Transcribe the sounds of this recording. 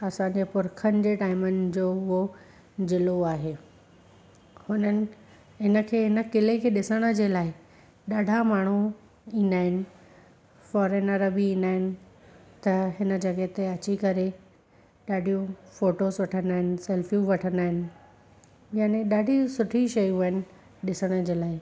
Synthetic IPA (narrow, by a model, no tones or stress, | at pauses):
ɐsãɲd͡ʑepʊɾkʰənɪ̆d͡ʑeːʈaːɪmənɪ̆d͡ʑoːʊɦo | d͡ʑɪloaːɦeː | hʊnənɪ̆ | ɪnə̆kʰeːɦɪnə̆kɪlekʰeːɗɪsəɽ̃ə̆d͡ʑeːlaːɪ | ɗaːɖʱamaːɳ̤̃u | ĩːnd̪aːɦɪnɪ̆ | fɔːɾənɐɾəbiĩːnd̪aːɦɪnɪ̆ | t̪ɐɦɪnə̆d͡ʑɐɡet̪eɐt͡ɕikɐɾe | ɗaːɖʱijũfoːʈoːzʋɐʈʰənd̪aːɦɪnɪ̆sɛːlfijũʋɐʈʰə̃nd̪aːɦɪnɪ̆ | jaːnẽɗaːɖʱisʊʈʰiʃɐjũɦəɪnɪ̆ | ɗɪsəɽ̃ə̆d͡ʑeːlaːɪ